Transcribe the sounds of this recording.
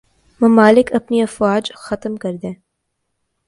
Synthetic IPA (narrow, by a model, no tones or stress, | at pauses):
mɐmaːlɪkɐpniɐfwaːd͡ʒxɐt̪mkɐɾd̪ẽː